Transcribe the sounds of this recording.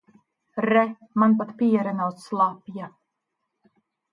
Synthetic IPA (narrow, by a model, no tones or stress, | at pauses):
ɾɛ | manp̬at̪piɛɾɛnawsslˠapja